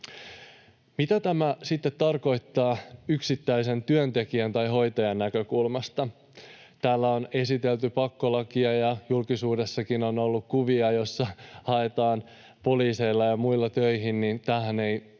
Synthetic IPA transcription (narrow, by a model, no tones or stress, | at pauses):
mit̪æt̪æmæsit̪ːet̪ːɑrko̞jt̪ːɑːyksit̪ːæjse̞nt̪yønt̪e̞kiænt̪ɑjɦo̞jt̪ɑjɑnːækø̞kulmɑst̪ɑ | t̪æːlːæo̞ne̞sit̪e̞lt̪ypɑkːo̞lɑkiɑjɑjulkisuːde̞sːɑkino̞no̞lːukkuʋiɑjo̞sːɑhɑe̞t̪ɑːn | po̞liːse̞jlːɑjɑmuilːɑt̪øjɦinnint̪æːhæne̞i